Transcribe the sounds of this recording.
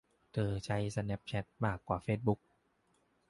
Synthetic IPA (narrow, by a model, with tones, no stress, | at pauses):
t̪ʰɤː˧˩t͡ɕʰa˦˥jsa˧nɛ˦˥p̚t͡ɕʰɛ˦˥t̪̚maː˥˩kːwaː˨˩feː˦˥˩t̪̚bu˦˥k̚